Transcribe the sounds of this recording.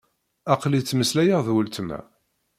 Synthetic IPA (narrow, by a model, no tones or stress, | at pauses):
ɑqlit͡sːməslæjəʁðwəlt̪mæ̰